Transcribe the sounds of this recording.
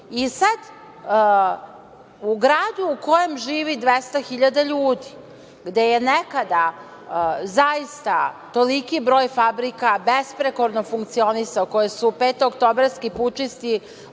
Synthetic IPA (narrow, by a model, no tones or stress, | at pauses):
isad̪ | uɡɾaːd̪uːko̞jemʒiːʋid̪ʋest̪axiʎad̪aʎuːd̪i | ɡd̪eje̞nekad̪a | zaist̪at̪o̞likibɾo̞ːjfabɾikabespɾekoɾnofuŋk̚t̪sio̞nisaoko̞jesupeːt̪ookt̪obɾaskiput͡ʂist̪i